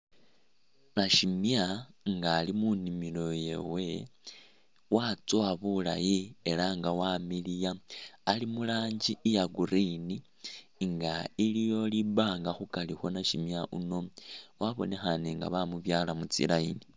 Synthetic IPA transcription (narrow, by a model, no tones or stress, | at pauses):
naʃimjaŋɡaːlimunimilo̞je̞̰we̞ | wat͡swaβula̰jie̞laŋɡawamilijaːlimulaːɲɟiːjaɡuɾini | ŋɡailijo̞liβaːŋɡaxukalixo̞naʃimjaʔuno̞waβo̞̰ne̞xaneŋɡa̰βamuβjaːlamut͡sḭlaini